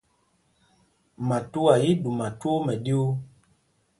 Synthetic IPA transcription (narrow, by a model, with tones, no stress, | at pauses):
mã˨tu˦a˨ji˦du˨ma˨to˦mɛ˨di˦wo˦